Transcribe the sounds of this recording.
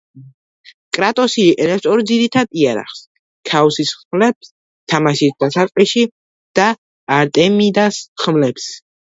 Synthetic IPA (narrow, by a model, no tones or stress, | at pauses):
kʼɾat̪ʼɔsiɾɛpsɔɾd̪ziɾit̪ʰad̪iaɾa̰χs | kʰaɔsisχmlɛps | t̪ʰamaʃisd̪̥asat̪sʼqʼiʃi | d̪̥aː | ɾt̪ʼɛmid̪asχmlɛps